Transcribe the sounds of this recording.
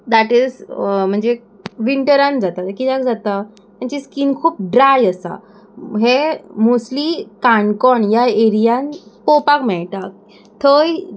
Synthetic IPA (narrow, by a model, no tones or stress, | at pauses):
d̪aʈizm̤əɳd͡ze | ʋiɳʈəɾãnd͡zat̪aəkid̪akd͡zat̪a | məɳt͡ɕeskiːnkʰuːp̚ɖɾajəsa̰ | ɦemoslikaɳkɔɳjaeɾijanpopakmɛɭʈ̪a | t̪ʰəj